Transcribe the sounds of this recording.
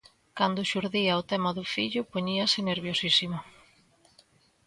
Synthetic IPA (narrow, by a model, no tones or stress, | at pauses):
kand̪ʊʃuɾðiaot̪ɛmaðʊfiʎʊpoɲiɐsɪneɾβjosisima